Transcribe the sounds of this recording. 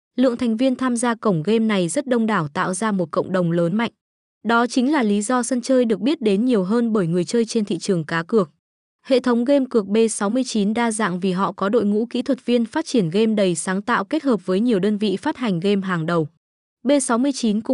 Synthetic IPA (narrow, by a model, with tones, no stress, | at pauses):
lɨ̰˧˨əŋt̪ʰa˨˩ŋ̟vi˧ənt̪ʰaː˧mzaː˧kə˧˩wŋ͡mɣe˧mna˨˩jzə˦˥t̚ɗə˧wŋ͡mɗaː˧˩wt̪a̰ː˧˨wzaː˧mo˨˩t̚kə̰˧˨wŋ͡mɗə˨˩wŋ͡mləː˨˦nma̰˧˨jŋ̟ | ɗɔ˨˦t͡ɕï˨˦ŋ̟laː˨˩li˨˦zɔ˧sə˧nt͡ɕəː˧jɗɨ˨˩ək̚ɓi˦˥ət̚ɗe˨˦nɲi˨˩əwɦəː˧nɓəː˧˩jŋɨ˨˩əjt͡ɕəː˧jt͡ɕe˧nt̪ʰḭ˧˨t͡ɕɨ˨˩əŋkaː˨˦kɨ˨˩ək̚ | hḛ˧˨t̪ʰə˨˦wŋ͡mɣe˧mkɨ˨˩ək̚ɓe˧sa˨˦wmɨ˧əjt͡ɕi˨˦nɗaː˧za̰ː˧˨ŋvi˨˩ɦɔ̰˧˨kɔ˨˦ɗo̰˧˨jŋṵ˧˥kḭ˧˥t̪ʰwə˨˩t̚vi˧ənfaː˦˥t̚t͡ɕi˧˩ənɣe˧mɗə˨˩jsaː˨˦ŋt̪a̰ː˧˨wke˦˥t̚həː˨˩p̚vəː˨˦jɲi˨˩əwɗəː˧nvḭ˧˨faː˦˥t̚ha˨˩jŋ̟ɣe˧mɦaː˨˩ŋɗə˨˩w | ɓe˧sa˨˦wmɨ˧əjt͡ɕi˨˦nkʊ̰˧˨